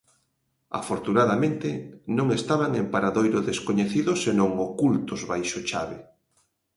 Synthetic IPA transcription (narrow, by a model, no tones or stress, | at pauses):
a̰foɾt̪unaðamẽnt̪enõŋest̪aβaŋempaɾaðojɾʊðeskoɲeθiðʊsenõŋokult̪ozβajʃot͡ʃaβe